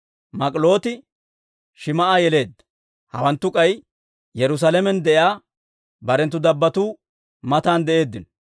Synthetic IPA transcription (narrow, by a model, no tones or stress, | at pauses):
mɐkʼlo̞ːt̪ɪ | ʃɪmɐʔaːjɛle̞ːd̪ːɐ̥ | hɐ̰wɐnt̪ːʊkʼɐj | jɛɾʊs̬aːlɛmɛnd̪ɛʔjaː | bɐɾɛnt̪ːʊd̪ɐbːɐt̪uː | mɐt̪aːnd̪ɛʔe̞ːd̪ːɪnɔ